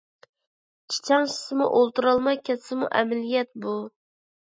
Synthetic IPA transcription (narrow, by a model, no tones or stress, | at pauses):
t͡ʃʰe̥t͡ʃʰɑŋʃɪ̥sɨmṵʔolˠt̪uɾɑlˠmɑjkʲʰɛt̪sɪmṵʔɛmɪlijɛt̪̚bu